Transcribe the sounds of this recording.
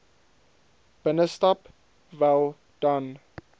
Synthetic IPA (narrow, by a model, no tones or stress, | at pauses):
b̥ənəstɔp | vɛlˠ | d̥an